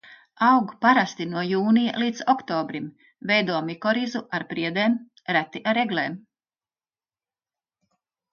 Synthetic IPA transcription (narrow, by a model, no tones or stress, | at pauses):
ɑwɡupaɾast̪inuɔjuːnija̰lˠiːt̪sɔkt̪ɔːbɾim | vɛjd̪uɔmikɔɾizuaɾpɾiɛd̪eːm | ɾæt̪iʔaɾeɡlˠeːm